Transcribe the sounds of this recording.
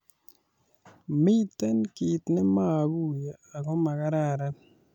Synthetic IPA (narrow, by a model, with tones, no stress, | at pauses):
mɪ˦t̪ɛ˦nki˨t̪nɛ˦ma˦˨ɡu˦˨ja˨ | a˨ɣɔ˦ma˨ɣa˦ɾa˦ɾa˦